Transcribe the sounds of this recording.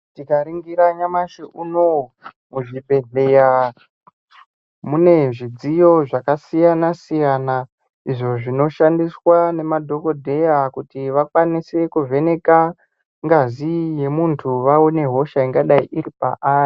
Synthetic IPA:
tikaɾiŋɡiɾaɲamaʃeʔunomuʐibʱe̞ɮe̞ja | mune̞ʐid͡zijo̞ʐakasijanasijana | iʐo̞ʐino̞ʃandiswane̞madʱo̞ko̞dʱe̞jakutiʋakwanise̞kuve̞ne̞ka | ŋɡazije̞muntʰuʋaone̞ɦo̞ʃaiŋɡaɗaiʔiɾipa̰ʔaːri

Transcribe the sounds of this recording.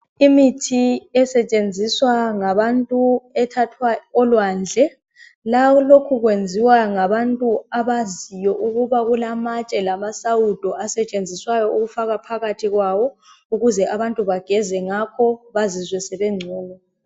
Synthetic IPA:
imitʰiɛsɛt͡ʃʼend͡zʱiswaŋaβantʼuɛtʰatʰwaɔlwand͡ɮʱɛ | lalokʰuɣwend͡zʱiwaŋaβantʼuaβazijɔʔuɣuβaɣulamat͡ʃʼɛlamasaud̥ʱɔʔasɛt͡ʃʼend͡zʱiswajɔʔuɣufaɣapʰaɣatʰiɣwaβɔ | uɣuzɛʔaβantʼuβaɡ̥ʱɛzɛŋakʰɔβazizwɛsɛβɛŋ͡ǀʱuːlɔ

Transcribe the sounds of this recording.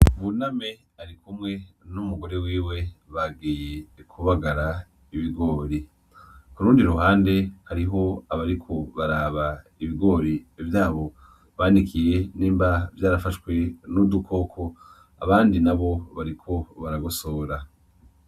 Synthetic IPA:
βuname̞ | aɾikʰumŋe̞numuɡo̞ɾe̞wiːwe̞βaɡiːje̞kʰuβaɡaɾa | iβiɡo̞ːɾi | kuɾuːndiɾuhaːnde̞haɾiɦo̞aβaɾikʰo̞βaɾaːβaiβiɡo̞ːɾiːvjaːβo̞ | βaːnikʰije̞niːmbavjaːɾafaʃwe̞nudukʰo̞ːkʰo̞ | a̰βaːndinaβo̞βaɾikʰo̞βaɾaɡoso̞ːɾa

